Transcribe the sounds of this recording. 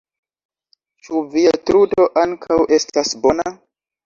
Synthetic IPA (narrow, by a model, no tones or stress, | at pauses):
t͡ʃuviatɾudo̞ʔaŋkʰawʔe̞stasbo̞na